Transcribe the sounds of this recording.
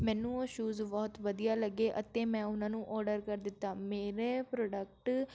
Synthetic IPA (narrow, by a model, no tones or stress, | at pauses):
mɛ̃ːnũːəʃuːzbɔːt̪ʋəd̪ijaːləɡːeːʔət̪ːeːmɛ̃ːʊnãːnũːʔɔːɾɖəɾkəɾd̪ɪt̪ːaːmeːɾeːpɾoːɖək̚ʈ